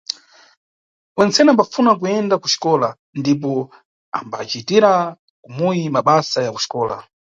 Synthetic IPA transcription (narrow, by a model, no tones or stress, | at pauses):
wɛnt͡sɛnɛambafunak̬ujɛndaku̥ʃi̥kɔla | ndip̬ɔ | a̰mba̰t͡ʃitiɾa | kumujimaɓasajaku̥ʃi̥kɔːla̰